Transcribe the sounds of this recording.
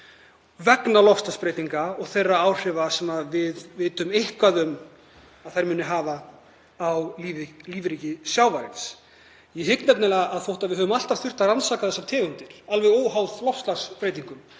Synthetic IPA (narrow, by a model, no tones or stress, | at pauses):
vɛknalɔfst̪laspɾeːjt̪iŋkaɔɣθejrːaaːwr̥ɪvasɛmːaðvɪðvɪːt̪ʏmejhkvaðʏm | aðθajɾmʏːnʏɦaːva | awlivliːvɾicɪsjawvaɾɪns | jɛɦɪknɛpnɛlaɣaðθowht̪aðvɪðɦœːvʏmal̥t̪av̥θʏr̥t̪aransakaθɛsːat̪ʰɛːɣʏnt̪ɪɾ̥alvɛðoːwɦawðlɔfst̪aspɾejt̪iŋkʏm